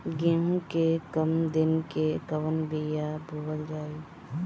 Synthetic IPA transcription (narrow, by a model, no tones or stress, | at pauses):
ɡẽũkekəmd̪ɪnkekəʋənbijabʱuʋəld͡ʒaːiː